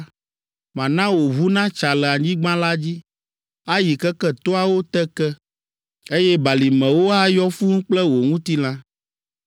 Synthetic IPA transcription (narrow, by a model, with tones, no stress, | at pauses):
mã˨nã˦wo˨βu˦nã˦t͡ʃa˨lɛ˨a˨ɲĩ˦ɡ͡bã˦la˦d͡ʑi˦ | a˦ji˨kɛ˦kɛ˦t̪o˦a˨wo˦t̪ɛ˦kɛ˦ | e˦jɛ˦ba˨li˨mɛ̃˨wo˦a˦jɔ˦fu˦ŋũ˦k͡plɛ˦wo˨ŋũ˦t̪i˦l̃ã˦